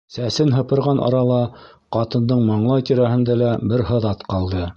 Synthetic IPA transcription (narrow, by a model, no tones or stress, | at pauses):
sæsɘnɦɤ̆pɤ̆ɾʁɑnʔɑ̰ɾɑlˠɑ | qɑt̪ɤ̆nd̪ɤɴmɑɴlˠɑjt̪iɾæhɘ̆nd̪ælæbɘɾɦɤ̆ðɑt̪qɑlˠd̪ɤ